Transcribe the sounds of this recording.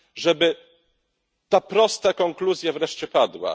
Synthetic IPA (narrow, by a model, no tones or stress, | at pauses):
ʐɛbɘ | t̪apɾɔst̪akɔŋkluzʲjavɾɛʂt͡ɕɛpad̪wa̰